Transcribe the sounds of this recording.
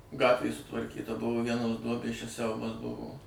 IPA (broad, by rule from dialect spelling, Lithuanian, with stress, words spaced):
ˈɡɑːtʲʋʲeː sʊtʋɐrʲˈkʲiːtɐ ˈbʊʋoː ˈʋʲiɛnoːs ˈduɔbʲeːs t͡ʃʲɛ ˈsʲɛʊbɐs ˈbʊʋoː